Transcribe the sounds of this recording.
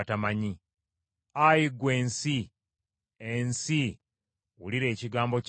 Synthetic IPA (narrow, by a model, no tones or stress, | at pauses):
tamaɲi | ajiɡwe̞ːnsi | ensi | wuliɾe̞ːciɡaːmbo̞c